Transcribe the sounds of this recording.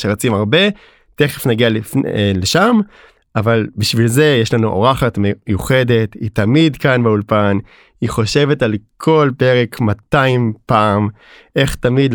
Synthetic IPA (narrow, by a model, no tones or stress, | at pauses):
ʃeʁat͡simaʁbe̞ | te̞χefnaɡialifnleʃam | ʔavalbiʃvilze̞jeʃlanuʔo̰ʁaχatmejuχe̞de̞titamid̪kanbeulpan | iχo̞ʃe̞vetalkʰo̞lpe̞ʁe̞kʰmataimpaːm | ʔe̞χtamidl